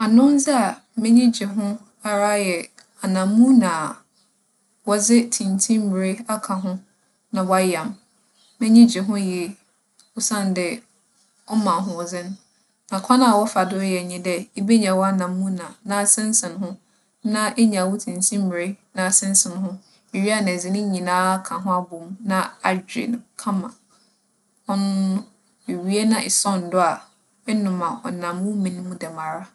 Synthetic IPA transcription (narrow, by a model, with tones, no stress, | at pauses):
a˨nʊ̃˦n̩˦zɪ˦a˨ | mɪ̃˦ɲĩ˦d͡ʑɪ˨ɦʊ̃˦ | a˨ɾa˦jɛ˨ | a˨nã˨mːũ˦nãː˨ | wɔ˦zɪ˦tʰĩ˨ntʰĩ˦mm˨ɾe˦a˦kʰã˨ɦʊ̃˦ | nã˨wa˦jã˨m | mɛ̃˦ɲĩ˦d͡ʑᶣɪ˨ɦʊ̃˦jɛ˨ | ʊ˦sã˦˨n˨dɛ˨ | ɔ˦mã˨ɦʊ̃˨wɔ˨zɪ˦n˦ | nã˨kʷʰa˦nã˨wɔ˦fa˨dʊ˦jɛ˨ɲĩ˦dɛ˦e˦be˦ɲã˨wɔ˦a˦nã˨mːũ˦nã˨nã˦˨sɛ̃˦n˦sɪ̃˨nhʊ̃˦ | nã˦ʔe˦ɲã˨wʊ˦tʰĩ˨n̩˨sʰĩ˦m̩˦m˨ɾe˦nã˨sɪ̃˦n˦sɪ̃˨n˦ɦʊ̃˦ | e˨ɥi˦a˦˨ñ˨zɪ̃˨nɪ̃˦ɲĩ˨nãː˦kʰã˨ɦʊ̃˦a˦bʊ˨mnã˦a˨d͡ʑᶣɾḛ˨ñ˨kʰã˦mã̰˨ | ɔ˦nʊ̃˦ | e˨ɥi˦e˦nã˦ʔɪ˨sɔ˦n̩˨dʊ˦a˨ | ɛ˦nʊ̃˨mã˨ɔ̰˨nã˨mːũ˦mĩ˨ñ˦mũ˦dɛ˨ma˨ɾa˦